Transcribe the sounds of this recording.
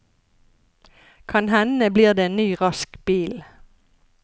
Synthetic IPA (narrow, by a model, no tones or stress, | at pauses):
kʰɑnhɛnəbliːʁd̪eːeːnnyːʁɑskb̥iːl